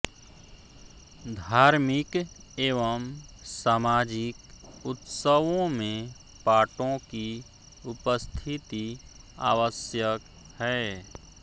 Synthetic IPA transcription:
d̪ʱaːɾmɪk | eːʋəm | saːmaːd͡ʒɪkʊt̪səʋõmẽ | paːʈõki | ʊpəst̪ʰɪt̪i | a̰ːʋəsjək | hɛː

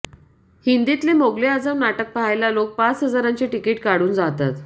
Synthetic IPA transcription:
hind̪it̪lemoɡlead͡zaʋnaʈək̚paɦajlalok̚pat͡sɦəd͡zaɾant͡ɕeʈikeʈkaɽuːnd͡zat̪at̪

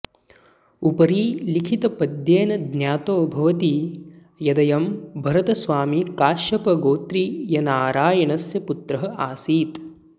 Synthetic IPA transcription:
upɐɾiːlikʰit̪ɐpɐd̪jeːnɐd̪njaːt̪oːbʱɐʋɐt̪i | jɐd̪ɐjɐmbʱɐɾɐt̪ɐsʋaːmikaːʃɐpɐɡoːt̪ɾijɐnaːɾaːjɐɳɐsjɐput̪ɾɐɦɐʔaːsiːt̪

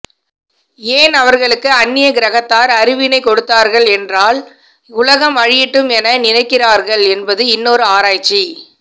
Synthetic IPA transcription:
eːnɐʋɐɾɣɐɭɯkːɯɐnːɪjɐɡɪɾɐɣɐt̪ːaːɾɐɾɪʋɪnɐɪkɔɽɯt̪ːaːɾɣɐɭɛndraːl | ʊlɐɣɐmɐɻɪjɪʈːɯmɛnɐnɪnɐɪkːɪraːɾɣɐɭɛnbɐðɯɪnːoːɾɯaːɾaːt͡ʃːi

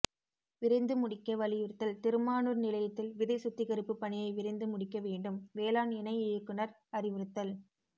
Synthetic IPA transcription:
ʋɪɾɐɪnd̪ɯmʊɽɪkːɐʋɐɭɪjɯɾɯt̪ːɐlt̪ɪɾɯmaːnɯɾnɪlɐjɐt̪ːɪlʋɪðɐɪsʊt̪ːɪkɐɾɯpːɯpːɐɳɪjɐɪʋɪɾɐɪnd̪ɯmʊɽɪkːɐʋeːɳɖɯmʋeːlaːnɪnɐɪɪjɯkːɯnɐɾ | ɐɾɪʋɪɾɯt̪ːɐl

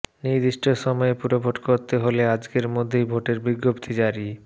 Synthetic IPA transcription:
niɾd̪iʃʈʰoʃɔmɔepuɾobʱoʈkoɾt̪eɦolead͡ʑkeɾmod̪ʱːejbʱoʈeɾbiɡːopt̪ʰid͡ʑaɾi

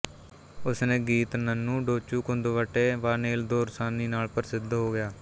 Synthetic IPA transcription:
ʊsnẽːɡiːt̪nənːũːɖoːt͡ʃuːkʊnd̪oʋəʈːeːʋaːneːld̪oːɾsaːniːnaːlpəɾsɪd̪ɦoːɡɪjaː

